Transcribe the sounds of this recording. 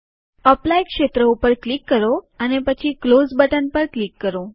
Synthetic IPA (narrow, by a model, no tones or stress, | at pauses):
əplajkʃet̪ɾəupəɾklikːəɾoənepət͡ɕʰiklosbəʈənpəɾklikːəɾo